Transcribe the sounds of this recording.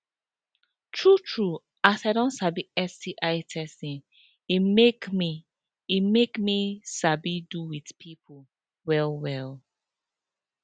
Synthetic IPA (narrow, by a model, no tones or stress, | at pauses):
tʰɹutʰɹu | asaɪdɔ̃nsabiɛstiʔaɪtʰɛstĩn | imeki | imekmisabiduwidpʰipʰo | wɛlwɛl